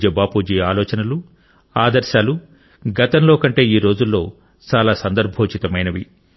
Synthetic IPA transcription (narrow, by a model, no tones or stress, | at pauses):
d͡ʒɐbaːpuːd͡ʒiːaːlɔːt͡ʃɐnɐlu | aːd̪ɐɾʃaːlu | ɡɐt̪ɐmlo̞ːkɐɳʈe̞ːiːɾo̞ːd͡ʒulːo̞ː | t͡ʃaːlaːsɐnd̪ɐɾbʱoːt͡ʃit̪ɐmɐjnɐʋi